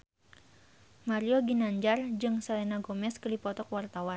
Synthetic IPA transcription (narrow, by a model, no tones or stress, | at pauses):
maɾioɡinaɲd͡ʒard͡ʒɨŋsalenaɡomɛskəlipɔt̪ɔkwart̪awan